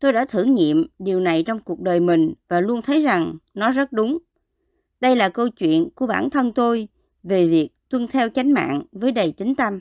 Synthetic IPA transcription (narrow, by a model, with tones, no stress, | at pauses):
t̪o˧jɗa̰ː˧˥t̪ʰɨ̰˧˩ŋḭ˧˨əmɗi˨˩əwna˨˩jt͡ɕɔ˧wŋ͡mku˨˩ək̚ɗəː˨˩jmï˨˩ŋ̟vaː˨˩lu˧ənt̪ʰə˨˦jza˨˩ŋnɔ˨˦zə˦˥t̚ɗʊ˨˦ŋ͡m | ɗə˧jlaː˨˩kə˧wt͡ɕwḭ˧˨ənku˧˩əɓaː˧˩nt̪ʰə˧nt̪o˧j | ve˨˩vi˨˩ək̚t̪wə˧nt̪ʰɛ˧wt͡ɕa˨˦jŋ̟ma̰ː˧˨ŋvəː˨˦jɗə˨˩jt͡ɕï˨˦ŋ̟t̪ə˧m